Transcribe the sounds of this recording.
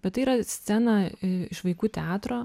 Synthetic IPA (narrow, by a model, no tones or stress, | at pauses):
b̥ʲɛt̪tɐɪiːɾɐsʲt͡s̪ʲɛnɐɪɪʃʋɐɪkuːt̪ʲɛɑːt̪ɾoː